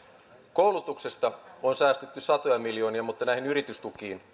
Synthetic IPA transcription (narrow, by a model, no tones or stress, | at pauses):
ko̞wlut̪ukse̞st̪ɑonsæːst̪et̪ːysɑt̪o̞jɑmiljo̞ːniɑmut̪ːɑnæjhinyɾit̪yst̪ukiːn